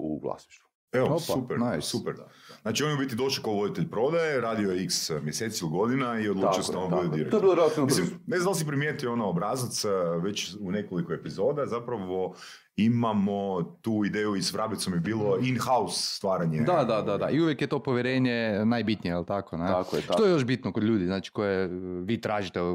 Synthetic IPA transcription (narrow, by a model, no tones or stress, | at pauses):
ṵɡlˠa̰sniʃt̪u | eoosupɛɾnajsupɛɾznaːt͡ʃionjubit̪id̪o̞ʃlikaoʋod̪it̪eʎpɾo̞d̪ajeɾaːd̪iojeiksmjeset̪siiliɡo̞d̪inaio̞d̪lut͡ʃiosd̪aonb̪ud̪ed̪iɾek̪obiɾalimislimneznd̪alˠsipɾimjet̪ionaobɾazat̪sʋe̞t͡ɕunekolikoepizo̞ːd̪azapɾaʋo | imamot̪uːid̪eːjuisʋɾabit̪somjebiːlˠo̞inxausːt̪ʋaːɾaɲed̪ad̪ad̪ad̪aʔiuʋjekjet̪o̞poʋjeɾeːɲenajbit̪nijeilt̪akoneakʃt̪ojeo̞ʃbit̪nokod̪ʎʲuːd̪iznaːt͡ʃi̥ko̞jeʋiːt̪ɾaːʒit̪e